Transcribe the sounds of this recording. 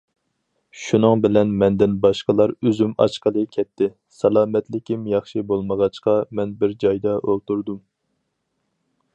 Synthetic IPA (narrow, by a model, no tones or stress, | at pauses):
ʃunɨŋbɪlɛnmɛnd̪ɪnbɑʃqəlˠɑɾøzymɑ̰ʃqəlˠɨkʲʰɛt̪ʰːɪ | sɑlˠɑːmɛt̪lɪkʲimjɑχʃibolˠməʁɑt͡ʃqɑmɛnbɪɾd͡ʒɑjd̪ɑʔolˠt̪uɾd̪um